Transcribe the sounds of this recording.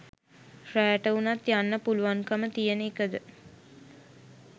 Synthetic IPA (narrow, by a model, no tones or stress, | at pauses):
fræːʈəunat̪janːəpuluʋaŋkəmət̪ijənəekəd̪ə